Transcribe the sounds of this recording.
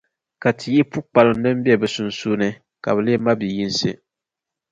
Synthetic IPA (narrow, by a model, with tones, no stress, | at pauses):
ka˨tʰi˨ji˦pu˦k͡pa˨lʊ˨˦nɨ˦m˦bi˦ɛ˨bɛ˨sʊ˨n˦suː˦nɨ˦ | ka̰˨bɛ˨le˦ma˦bi˨ji˦n˦sɨ˦